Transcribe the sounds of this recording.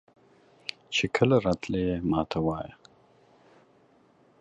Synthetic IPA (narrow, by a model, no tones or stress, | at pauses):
t͡ʃekʰəlaɾɑt̪lejemɑ̰t̪ʰawɑːja